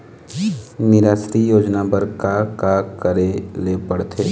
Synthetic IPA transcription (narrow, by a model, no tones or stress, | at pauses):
nɪɾaːsɾijoːd͡ʒnabəɾkakakəɾelepəɽt̪ʰeː